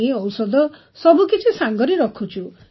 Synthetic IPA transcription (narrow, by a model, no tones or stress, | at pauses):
ĩɔwsɔd̪ɔ | sɔbukit͡ʃʰisaŋɡɔɾeɾɔkʰut͡ʃʰu